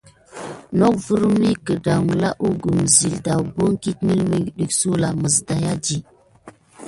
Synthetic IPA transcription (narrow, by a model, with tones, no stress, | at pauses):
no˦kvu˦ɾu˦mi˦kə˨da˨ŋ˨la˦ʔu˦ɡu˨mzi˨lda˨wbo˦ŋ˦ki˦tmi˦lmi˦ɡɗi˨ksu˦la˨mə˨zda˨ja˦d͡ʒi˨